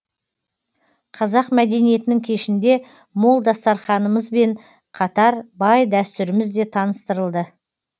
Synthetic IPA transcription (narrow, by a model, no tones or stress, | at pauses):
qʰɑzɑqmæd̪e̞nije̞t̪ɪnɪŋkʲʰe̞ʃɪnd̪e̞ | molˠd̪ɑst̪ɑɾχɑnəməzbe̞ɴ | qʰɑt̪ɑɾbɑjd̪æst̪ʏɾɪmɪzd̪e̞t̪ʰɑnəst̪əɾəlˠd̪ə